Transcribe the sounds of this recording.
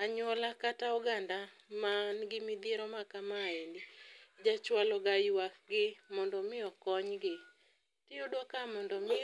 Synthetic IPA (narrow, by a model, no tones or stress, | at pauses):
aɲɔlakatauɡandamanɡɪmɪd̪eɾɔmakamaendid͡ʒat͡ʃwalɔɡajwak̚ɡɪmɔndɔmɪɔkɔɲɡɪ | tɪodɔkamɔndɔm